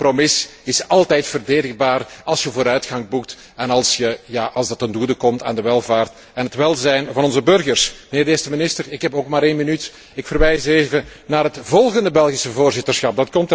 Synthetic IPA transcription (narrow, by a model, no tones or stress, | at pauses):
promɪsɪsɑlˠtɛjtfərdeːdəɣbaːrɑlˠsjəvoːɾœɥtxɑŋbuk̚t | ɛnɑlˠsjəjaːʔɑlˠzdɑtəndudəkɔmta̰ːndəʋɛlˠvaːrt | ɛnɦətʋɛlˠzɛjnvɑnɔnzəbɵrɣərsməneːrdeːstəmɪnɪstərɪkɦɛpoːkmaːɾeːnminyt | ɪkfərʋɛjseːvənaːɾɦətvɔlˠɣəndəbɛlˠɣisəvoːrzɪtərsxɑp̚dɑtkɔmtə